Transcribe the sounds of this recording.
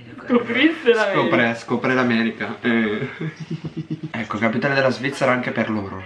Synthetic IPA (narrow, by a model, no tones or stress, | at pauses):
t̪upɾist̪elakopɾeskopɾelamɛːɾikaɛ | ɛkːokapit̪aːned̪elːazvit̪sːeɾaaŋkeperloːɾo